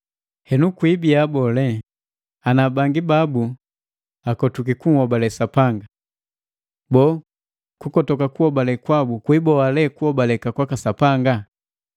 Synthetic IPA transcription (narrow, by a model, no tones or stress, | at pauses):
hɛnukwibiabɔlɛ | anabaŋɡibabu | akɔtuk̬ikuŋ̩hɔbalɛsapaŋɡa | bɔ | kukɔtɔkakuhɔbalɛkwabukwibɔalɛkuɔbalɛkakwakasapaŋɡa